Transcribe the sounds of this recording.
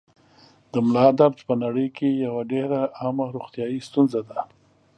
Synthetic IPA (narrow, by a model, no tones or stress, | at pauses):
d̪əmlɑd̪abt̪pənaɽəjkejawaɖeɾaamaɾoxt̪jɑjist̪unzad̪a